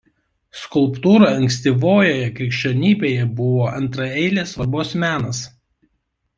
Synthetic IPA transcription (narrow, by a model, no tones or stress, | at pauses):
skʊlˠpt̪uːɾɐɐŋʲksʲt̪ʲiːʋoːjoːjɛkɾʲɪkʃʲt͡ʃʲoːnʲiːbʲeːjɛbʊʋoːʔɐnt̪ɾɐɛɪlʲeːsʋɐɾboːsmʲæːnɐs